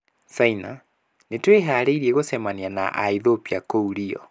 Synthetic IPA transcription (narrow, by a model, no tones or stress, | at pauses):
saina | netweɦaːɾeiɾieɣosɛmaniana̰ʔaiðopiakouɾiɔ̰